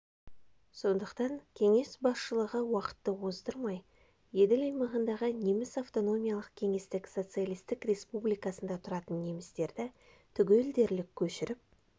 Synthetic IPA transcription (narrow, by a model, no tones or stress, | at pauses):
so̞nd̪əqt̪ɑŋkʲʰe̞ŋe̞sbɑsʃəlˠəʁəwɑqə̥t̪ːəwozd̪əɾmɑj | je̞d̪ɪlʲɑjmɑʁənd̪ɑʁəne̞mɪsaft̪o̞no̞mʲijalˠəqkʲʰe̞ŋe̞st̪ɪkso̞t̪sɨalʲˠijst̪ɪkrʲe̞spublijkɑsənd̪ɑt̪ʰʊɾɑt̪ənːe̞mɪst̪e̞ɾd̪ɪ | t̪ʰʏɡʲeld̪e̞ɾlɪkʲʰːɵʃɪɾɪp̚